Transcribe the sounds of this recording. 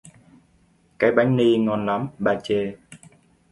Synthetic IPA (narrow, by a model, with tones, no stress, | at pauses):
kaː˨˦jɓa˨˦jŋ̟ni˧ŋɔ˨˩nla˨˦mɓaː˨˩t͡ɕe˧˩